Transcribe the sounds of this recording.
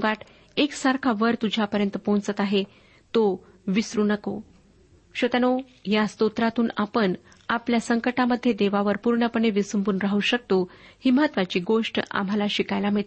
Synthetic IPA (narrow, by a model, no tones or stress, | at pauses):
ɡaʈ | eksaɾkʰaʋəɾt̪ud͡ʑʱapəɾjənt̪əpõnt͡sət̪aɦe | t̪o | ʋisɾuːnəko | ɕət̪ano | jast̪ot̪ɾat̪uːnapəɳ | apljasəŋkəʈaməd̪ʱːjed̪eʋaʋəɾpuɾɳəpəɳeʋisumbuːnɾaɦuɕək̚t̪ohiːməɦət̪ʋat͡ɕiːɡoʂʈa̰m̤alaɕikajlam̤əɭt̪